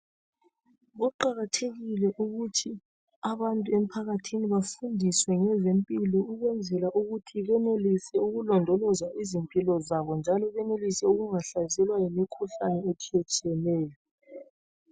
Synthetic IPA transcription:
ɣuǃaɣatʰeɣilɛʔuɣutʰi | aβantʼuem̩pʰaɣatʰiniβafundʱiswɛŋɛzempʼilɔuɣwɛnd͡zʱɛlaʔuɣutʰiɣɛnelisɛuɣulɔndʱɔlɔzaizimpʼilɔzaβɔnd͡ʒʱalɔβɛnelisɛuɣuŋaɬazɛlwajimikʰuɬanɛetʰiɛt͡ʃʼɛlɛːjɔ

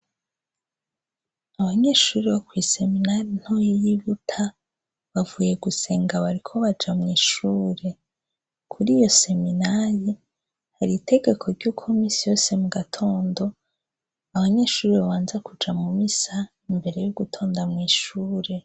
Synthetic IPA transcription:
aβaɲe̞ːʃuːɾiβokwiːse̞minaɾin̥hojijiβutʰa | βavuːje̞ɡuse̞ːŋɡaβaɾikʰo̞βad͡ʒamŋiːʃuːɾe̞ | kʰuɾiːjo̞se̞minaɾi | haɾiːtʰe̞ɡe̞kʰo̞ɾɟukʰomisijo̞ːse̞muɡatʰo̞ːndo̞ | aβaɲe̞ːʃuːɾiβaβaːnzakud͡ʒamumisa | imbe̞ɾe̞juɡutʰo̞ːndamŋiːʃuːɾe̞

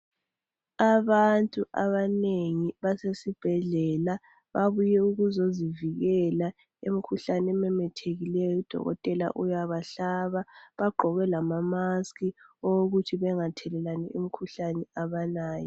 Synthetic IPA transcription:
aβantʼuʔa̰βaneŋiβasesib̥ʱɛɮɛla | βaβujɛuɣuzoziviɣɛla | emikʰuɬanɛmɛmɛtʰeɣilɛjɔud̥ʱɔ̰ɣɔ̰tʼɛla̰ʔujaβaɬaːβaβaɡ͡ǃʱɔɣɛlamamaskʰiooɣutʰiβɛŋatʰɛlɛlanɛem̩kʰuɬanɛaβanaːjɔ

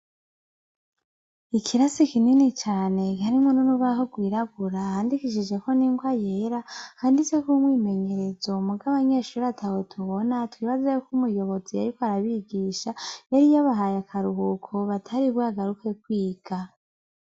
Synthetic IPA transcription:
ikʰiɾasikininit͡ʃaːne̞ɡaɾimununuβaɦoɡwiːɾaɡuɾahaːndikiʃ̬id͡ʒe̞ko̞niːŋɡwajeɾahaːndit͡se̞kumwiːme̞ɲe̞ɾe̞zo̞muɡaβaɲe̞ːʃuɾiatʰawotʰuβo̞natwiːβazajukumujo̞βo̞zija̰ɾikoaɾaβiɡiːʃajaɾijaβaɦajakʰaɾuɦukʰoβatʰaɾiβwaːɡaɾuke̞kwiːɡ̥a

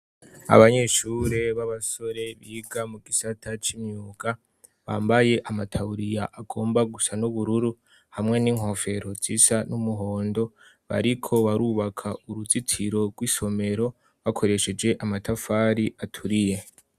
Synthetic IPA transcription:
a̰βaɲe̞ʃuɾeβaβaso̞ɾe̞βiɡamuɡisatʰat͡ʃimɲuːɡa | βa̰ːmbaje̞ʔamatʰauɾijaʔːɡo̞ːmbaɡusanuβuɾuɾu | hamŋe̞niːŋ̥ho̞fe̞ɾo̞z̥isanumuɦo̞ːndo̞βa̰ɾikʰo̞βaɾuːβakʰauɾuzitʰiɾo̞ɡwiso̞me̞ɾo̞ | βakʰo̞ɾe̞ʃe̞d͡ʒe̞ʔamatʰafaːɾiʔatʰuɾije

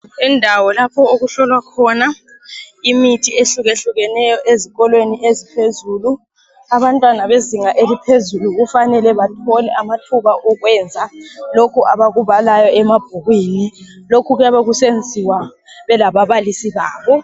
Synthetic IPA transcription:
ɛndʱawɔlapʰɔoɣuɬɔlwakʰɔna | imitʰieɬuɣeɬuɣɛnɛjɔʔeziɣɔlweniʔezipʰezuːlu | aβantʼwanaβeziŋaʔelipʰezuluɣufanɛlɛβatʰɔlɛamatʰuβaʔɔɣwɛːnd͡zʱalokʰuʔaβaɣuβalajɔɛmab̥ʱuɣwiːnilokʰuɣujaβeɣusend͡zʱiwa | βɛlaβaβalisiβaːβɔ

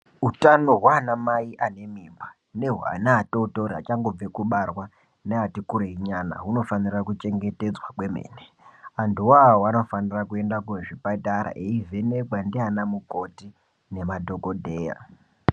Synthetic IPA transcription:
utano̞ɦwanamaiʔane̞mimba | ne̞ɦwa̰naːtotoɾiɦa̰t͡ʃaŋɡob͡vekuɓarwa | neatikuɾeiɲana̰ɦuno̞fanirakut͡ʃe̞ŋɡe̞te̞d͡zwakwe̞mḛːne | anduwaoano̞fanirakue̞ndakueʐipataɾa̰ʔeivʱe̞nekwandianamuko̞ti | ne̞madʱo̞kodʱeːja̰

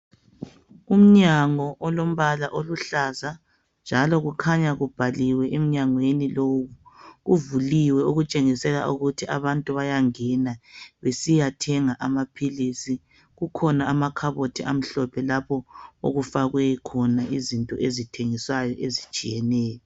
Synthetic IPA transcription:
um̩ɲaŋɔʔɔlom̩βalaʔoluɬaza | nd͡ʒʱalɔɣukʰaɲaɣub̥ʱaliwɛʔem̩ɲaŋweniloɣuɣuvuliwɛuɣut͡ʃʼeŋisɛla̰uɣutʰiʔaβantʼuβajaŋɛnaβesijatʰɛŋaʔamapʰilisi | ɣukʰɔnaamakʰaβotʰiʔam̩ɬɔpʰɛlapʰɔo̰ɣufaɣwɛkʰɔnaizintʼɔ̰ʔezitʰeŋisajɔʔezit͡ʃʼijɛnɛːjɔ

